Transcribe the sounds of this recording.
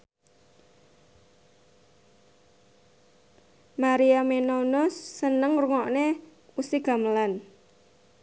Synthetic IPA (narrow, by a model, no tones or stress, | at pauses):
maɾiamenonɔsːənəŋruŋɔʔne | usiɡ̥a̤məlan